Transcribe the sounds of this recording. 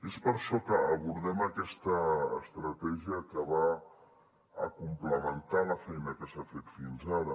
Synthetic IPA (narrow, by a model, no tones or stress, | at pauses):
espəɾʃɔkəəβuɾðɛməkɛst̪əːst̪ɾət̪ɛʒiəkəβa | kumpləmənt̪aləfɛjnəkəsafet̪finzaɾə